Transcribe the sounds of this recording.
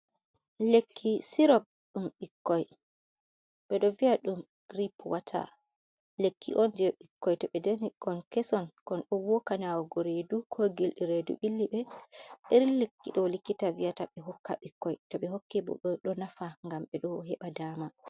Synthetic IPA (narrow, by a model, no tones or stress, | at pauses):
lekʰːisiɾɔb̚ | ɗumɓikːɔj | ɓɛɗɔvijaɗum | ɡ̥ɾipwatʰa̰ | lekːḭʔɔnd͡ʒɛɓikːɔjtɔɓɛdenikɔnkɛsɔnkɔnɗɔwɔkanawɔɡɔɾedukʰɔɡilɗiɾedṵɓilːiɓɛɓeɾilekːiɗɔlikːitaviataɓɛɦɔkːa̰ɓikːɔjtɔɓɛɦokːibɔ̰ɗɔɗɔnafaŋɡamɓɛɗɔɦɛɓadaːma